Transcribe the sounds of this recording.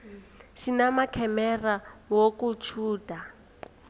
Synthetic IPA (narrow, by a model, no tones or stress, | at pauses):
ʃinamakʰɛmɛrawokut͡ʃʰuːda